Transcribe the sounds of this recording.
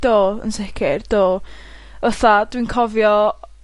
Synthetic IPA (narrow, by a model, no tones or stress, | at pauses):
d̥oːə̰nsɛkʰɪrd̥oː | əθad̥winkʰɔvjɔ